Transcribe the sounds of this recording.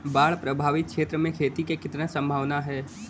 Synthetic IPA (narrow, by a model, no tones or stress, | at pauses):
baːɭpɾəbʱaːʋɪk̪̚kʃeːt̪ɾəmẽkʰeːt̪ikekɪt̪nesə̃mbʱaːʋnaɦɛː